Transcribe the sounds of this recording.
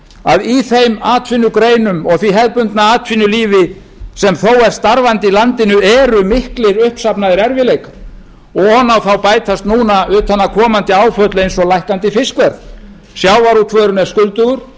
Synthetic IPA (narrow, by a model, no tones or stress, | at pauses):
aðiθejmaːt̪ʰfɪnːʏkɾeːjnʏmɔɣθiɦɛðpʏnt̪naaːt̪finʏliːvɪ | sɛmθowɛɾ̥st̪aɾvant̪ɪilant̪ɪnʏɛɾʏmɪhklɪɾʏhpsapnaðɪɾɛɾvɪlejkḁ | ɔɣhɔnːawθawpaːjt̪ʰast̪nuːnaʏːt̪ʰanːakʰɔːmant̪ɪaːwfœt̪lʏejnsɔlajhkant̪ɪfɪskvɛɾð | sjaːwvaɾut̪ʰvœːɾʏnɛɾ̥skʏlt̪ʏɣʏɾ̥